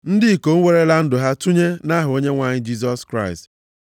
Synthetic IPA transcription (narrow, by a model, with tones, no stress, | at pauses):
n̩˦dɪ˦˨ko˨ŋ̩˦ŋʷe˦ɾe˦la˦n̩˦dʊ˨ɦa˦tu˦ɲe˦na˦ɦʊ˨o˦ɲe˦ŋʷa˨ɲɪ˦d͡ʒi˦s̬ɔ˦skɾa˦˨ɪ˨st